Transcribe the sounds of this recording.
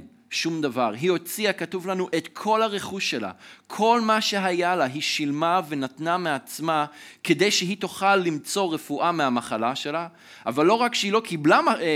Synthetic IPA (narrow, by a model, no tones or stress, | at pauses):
ʃumd̪avaʁɦio̞t͡siakat̪uvlanuʔe̞t̪kʰo̞lhaʁe̞χuʃːela̰kʰo̞lmaʃe̞ɦajalaɦiʃilmave̞nat̪nameat͡smake̞d̪e̞jʃeɦit̪oχalːimt͡so̞ʁe̞fuʔameamaχalaʃe̞la | avalːo̞ʁakʃeilo̞kʰiblama